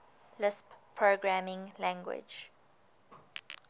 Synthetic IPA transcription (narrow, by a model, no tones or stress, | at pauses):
lɪsppʰɹoɡɹamɪ̃ŋlæ̃ŋɡwɪ̰d͡ʒ